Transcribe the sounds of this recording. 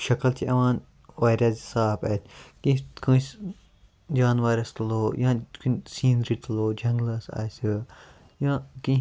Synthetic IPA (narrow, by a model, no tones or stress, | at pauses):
ʃɐkɐlt̪ʰiʔɐʋãːn | ʋaːɾʲaːzisaːpet̪ʲʰkĩkʰũːs | d͡ʒaːnʋaːɾɐst̪loːjãːkunsiːnɾit̪ʰloːd͡ʒɐŋɡlɐsa̰ːsɨ | jãːkĩ